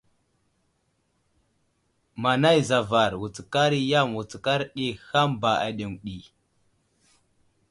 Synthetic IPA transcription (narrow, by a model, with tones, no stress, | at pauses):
ma˨na˦jza˨va˨ɾwu˨t͡ska˦ɾi˦ja˦˨mwu˨t͡ska˦ɾɗi˦ha˦mba˨a̰˨ɗe˨ŋɗi˨